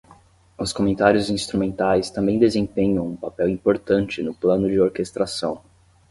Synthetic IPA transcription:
ʊskomẽnt̪aɾjʊzĩst̪ɾumẽnt̪ajst̪ɐ̃mbẽj̃d̪ezẽpẽɲɐ̃w̃ũpapɛwĩpoɾt̪ɐ̃t͡ʃɪnʊplɐ̃nʊd͡ʒɪoɾkest̪ɾasɐ̃w̃

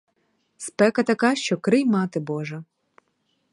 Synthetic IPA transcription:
spɛkɐt̪ɐkɑʃt͡ʃɔkɾɪjmɑt̪ɪbɔʒɐ

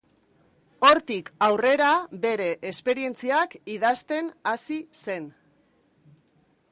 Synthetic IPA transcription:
o̞ɾt̪ikawre̞ɾabe̞ɾe̞ʔespe̞ɾie̞nt͡siakiðast̪e̞nasise̞n

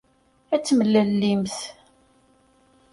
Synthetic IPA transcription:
æt͡sːməlːəlːimθ

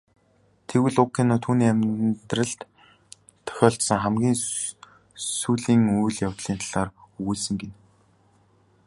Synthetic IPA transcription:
t̪ʰewɘ̆ɮʊkːenʊːt̪ʰuːniːæmʲt̪rə̆ɮt̪ | t̪ʰːœ̥xʲɔːɬt̪sə̆ŋχæmɡʲiːŋ | suːɮiːŋujɮjawt̪ɮiːnt̪ʰaɮaːrɵɣuːɮsɘ̆ŋɡen

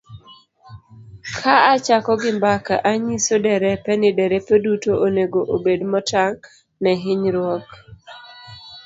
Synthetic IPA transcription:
kʰaat͡ʃakɔɡɪmbakaʔaɲisodɛɾɛpɛnɪdɛɾɛpedutoʔoneɡoʔobedmɔtaŋ | nɛɦɪɲɾwɔk

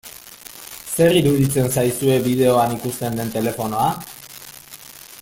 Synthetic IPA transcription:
se̞riɾuðit͡se̞nsajsue̞βiðe̞o̞anikust̪e̞nd̪e̞nt̪e̞le̞fo̞no̞a

